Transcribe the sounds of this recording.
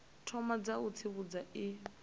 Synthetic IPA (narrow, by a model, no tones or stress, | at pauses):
tʰɔmad͡zaut͡sʰiβud͡zai